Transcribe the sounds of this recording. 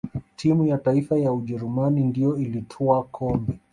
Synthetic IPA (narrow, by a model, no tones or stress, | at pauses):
tʰimujataifajauʄɛɾumanindijɔilitʰɔakʰɔmbɛ